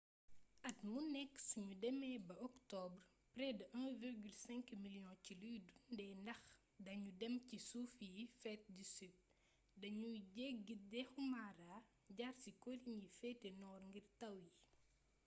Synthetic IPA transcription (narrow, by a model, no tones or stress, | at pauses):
ɐtmunɛkːsiɲudɛmɛːbɐɔktɔbr | pɾɛdʔɐŋviɾɡylsɛŋkmiljɔ̃ncilujdunndɛːndɐx | dɐɲudɛmcisufifɛt̚disit̚ | dɐɲuɟɛk̚ɡitdɛxumaɾaː | ɟarsikoliɲifɛtenɔːrŋɡirtɐwji